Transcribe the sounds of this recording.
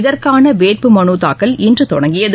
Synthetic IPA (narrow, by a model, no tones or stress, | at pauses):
ðɐrkaːnɐʋeːʈ̚pɯmɐnuːt̪a̰ːkːɐlɪndrɯt̪ɔ̰ɽɐŋɡɪjɐð